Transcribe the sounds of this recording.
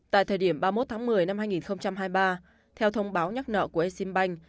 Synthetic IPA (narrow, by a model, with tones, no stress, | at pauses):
t̪a̰ː˧˨t̪ʰəː˨˩jɗi˧˩əmɓaː˧mo˦˥t̚t̪ʰaː˨˦ŋmɨ˨˩əjna˧mhaː˧jŋi˨˩nxə˧wŋ͡mt͡ɕa˧mɦaː˧jɓaː˧ | t̪ʰɛ˧wt̪ʰə˧wŋ͡mɓaː˨˦wɲa˦˥k̚nə̰ː˧˨ku˧˩əʔe˧si˧mɓa˧jŋ̟